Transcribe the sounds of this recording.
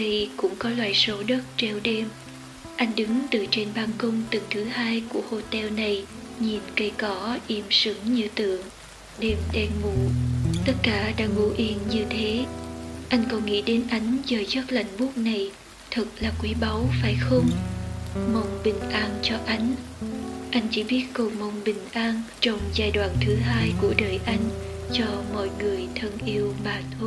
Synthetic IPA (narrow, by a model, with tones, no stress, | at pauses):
vi˧˩kʊ̰˧˥ŋ͡mkɔ˨˦lwaː˧˨jso˨˦ɗə˦˥t̚t͡ɕɛ˧wɗɛ˧m | ʔa˧jŋ̟ɗɨ˨˦ŋt̪ɨ˨˩t͡ɕe˧nɓaː˧nkʊ˧wŋ͡mt̪ɨ˨˩ŋt̪ʰɨ˨˦haː˧jku˧˩əho˧˩t̪ɛ˧wna˨˩jɲi˨˩nkə˧jkɔ˨˦ʔi˧˩msɨ˨˦ŋɲɨ˧t̪ɨ̰˧˨əŋ | ɗe˨˩mɗɛ˧nmu˧˩t̪ə˦˥t̚kaː˧˩ɗa̰ː˧˥ŋu˧˩ʔi˨˦ənɲɨ˧t̪ʰe˨˦ʔa˧jŋ̟kɔ˨˩nŋḭ˧˥ɗe˨˦nʔa˨˦jŋ̟zəː˨˩jzə˦˥t̚la̰˧˨jŋ̟ɓu˦˥ək̚na˨˩j | t̪ʰɨ˨˩k̚laː˨˩kwi˨˦ɓa˨˦wfaː˧˩jxə˧wŋ͡m | mə˨˧˩wŋ͡mɓï˨˩ŋ̟ʔaː˧nt͡ɕɔ˧ʔa˨˦jŋ̟ | ʔa˧jŋ̟t͡ɕi˧˦ɓi˦˥ət̚ko˨˩mə˧˩wŋ͡mɓï˨˩ŋ̟ʔaː˧nt͡ɕɔ˧wŋ͡mzaː˧jɗwa̰ː˧˨nt̪ʰɨ˨˦ɦaː˧jku˧˩əɗəː˨˩jʔa˧jŋ̟t͡ɕɔ˧mɔ̰˧˨jŋɨ˨˩əjt̪ʰə˧nʔi˧əwmaː˨˩t̪ʰː